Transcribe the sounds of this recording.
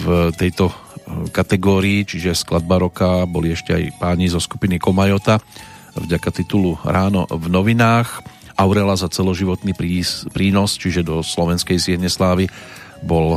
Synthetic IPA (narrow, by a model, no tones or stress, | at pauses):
vt̪ɛjt̪ɔkat̪ɛɡɔːɾiːt͡ʃiʒɛsklad̪̚baɾɔkabɔliɛʃcɛa̰jpaːɲizɔskupinikɔmajɔt̪a | vɟakat̪it̪uluɾaːnɔ̰vnɔʋinaːx | ʔaʊɾɛlazat͡sɛlɔʒiʋɔt̪nipɾipɾiːnɔst͡ʃiʒɛd̪ɔslɔʋɛnskɛjsɪɛɦɲɛslaːʋi | bɔl